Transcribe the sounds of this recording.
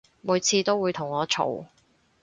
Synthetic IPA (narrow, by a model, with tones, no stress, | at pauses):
muː˨˧jt͡sʰiː˧t̪o˥wuː˨˧jt̪ʰʊ˨˩ŋɔː˨˧t͡ʃʰo̰˨˩w